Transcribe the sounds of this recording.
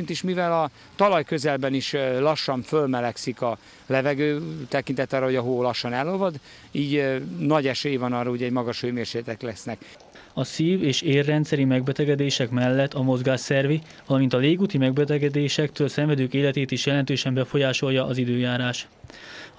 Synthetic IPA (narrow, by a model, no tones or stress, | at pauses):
int̪iʃmivɛlɒ | t̪ɒlɒjkø̞zɛlbɛniʃlɒʃːɒɱfølmɛlɛksikɒ | lɛvɛɡøːt̪ɛkint̪ɛt̪ːɒːɾːɒɦoɟɒɦoːlɒʃːɒnɛlːovɒd̪ | iːɟnɒɟɛʃøːjvɒnɒrːɒuɟɛɟmɒɡɒʃøːmeːrʃeːt̪ɛklɛsnɛk | ɒsiːveːʃeːrːɛnt̪sɛɾimɛɡbɛt̪ɛɡɛd̪eːʃɛkmɛlːɛt̪ːɒmo̞zɡaːʃɛrvi | vɒlɒmint̪ɒleːɡuːt̪imɛɡ̚bɛt̪ɛɡɛd̪eːʃɛk̚t̪øːlsɛɱvɛd̪øːkeːlɛt̪eːt̪iʃjɛlɛnt̪øːʃɛmbɛfo̞jaːʃo̞jjɒʔɒzid̪øːjaːɾaːʃ